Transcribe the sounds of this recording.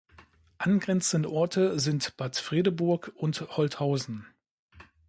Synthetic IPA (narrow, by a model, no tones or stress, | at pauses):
ʔanɡʁɛnt͡sən̩dəʔɔɐtʰəzɪntb̥aɐtfʁ̥eːdəbʊɐkʊnthɔlthaʊzn̩